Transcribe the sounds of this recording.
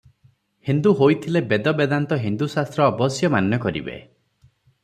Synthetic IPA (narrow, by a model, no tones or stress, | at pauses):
hind̪uɦojt̪ʰilebed̪ɔbed̪ant̪ɔɦind̪usast̪ɾɔːbɔsjɔmanjɔkɔɾḭbḛ